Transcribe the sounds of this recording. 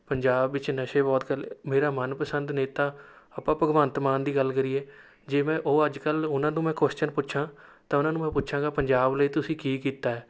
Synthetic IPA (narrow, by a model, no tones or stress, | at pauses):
pəɲd͡ʒaːbːɪt͡ʃnəʃeːbɔːt̪kəlmeːɾaːmənpəsənd̪neːt̪aːəpãːpəɡʋaːnət̪maːnd̪iːɡəlːkəɾiːɛː | d͡ʒeːmɛ̃ːʔoːəd͡ʒkəlʊnãːnũːmɛ̃ːkoʃt͡ʃənpʊtːʃʰãːt̪ãːʊnãːnũːmɛ̃ːpʊtːʃʰãːŋɡaːpəɲd͡ʒaːbləiːt̪ʊsĩːkiːkiːt̪aːɛː